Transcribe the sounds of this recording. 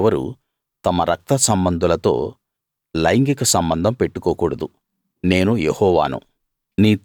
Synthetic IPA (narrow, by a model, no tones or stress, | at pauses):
ʋɐɾṵ | t̪ɐmɐɾɐk̚t̪ɐsɐmbɐnd̪ʱulɐt̪o̞̰ː | lɐjŋɡikɐsɐmbɐnd̪ʱɐmpeʈːukɔːkuːɽɐd̪u | ne̞ːnujehɔːʋa̰ːnṵ | niː